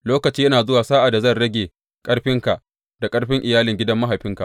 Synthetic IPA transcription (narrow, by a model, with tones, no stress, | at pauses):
loː˦kɐ˨t͡ʃiː˦jɐ˦naː˨zʊ˦waː˨saː˦ʔa˨da˨zɐ˦˨nɽɐ˦ɡʲeː˨ | kʼɐ˦ɽɸɪ˦ŋka˨ʔ | d̥a˨kʼɐ˦ɽɸɪ˦ŋʔɪ˨jaː˦lɪ˨ŋɡʲɪ˦dɐ˦mːɐ˦ɦa˨ɸɪ˦ŋka̰˨ʔ